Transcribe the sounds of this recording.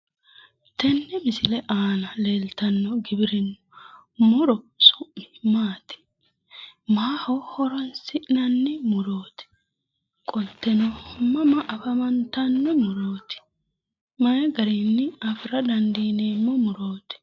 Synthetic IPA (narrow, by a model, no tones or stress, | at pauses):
t̪ɛnːɛmɪsɪlɛʔaːnɐleːlt̪ɐnːɔɡɪbɪɾɪnːɔ | mɔɾɔsʊʔmɪmaːt̪ɪ̥ | maːhɔhɔɾɔnsɪʔnɐnːɪmʊɾoːt̪ɪ̥ | kʼɔt̪ːɛnɔmɐmɐʔɐfɐmɐnt̪ɐnːɔmʊɾoːt̪ɪ̥ | mɐjɡɐɾinːɪɐfɾɐd̪ɐnd̪iːneːmːɔmʊɾo̞ːt̪ɪ̥